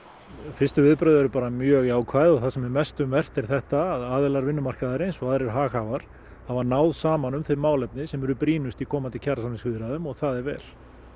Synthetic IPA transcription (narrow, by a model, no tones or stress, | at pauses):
fɪst̪ʏvɪðpɾœðʏɛɾʏpaːɾamjœːɣaːwkʰvaːjðɔɣθasɛmvɪmɛst̪ʏmvɛr̥t̪ɛɾ̥θɛht̪aːðaːðɛlaɾvɪnːʏmar̥kaðaɾejnsɔaðɾɛɾ̥ɦaːxavaɾ̥ | havaɾnaːwðsaːmanʏmfɪɾmaːwlɛpnɪsɛmɛɾʏpɾiːnʏst̪ikʰɔːmant̪ɪcʰaɾasamlɪ̃svɪðɪɾaðʏmɔɣθaðɛɾvɛ̰ːl